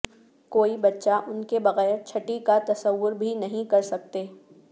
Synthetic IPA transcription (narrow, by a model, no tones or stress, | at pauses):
koːibɐtːʃaʔʊnkebɐɣɛːɾt͡ʃʰɐʈikat̪ɐsəʋːʊɾbʱinɐɦĩkɐɾsɐk̚t̪eː